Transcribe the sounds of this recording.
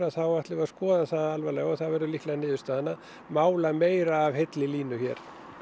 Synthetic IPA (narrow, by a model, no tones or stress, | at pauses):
ɾaθawaht̪lɪvaskɔːðaθaːðalvalɛːɣɔθaðvɛɾʏlihk̪laðnɪːðʏst̪aːðanːa | maːwlameːjɾaːvɦejt̪lɪliːnʏçɛ̰ːɾ̥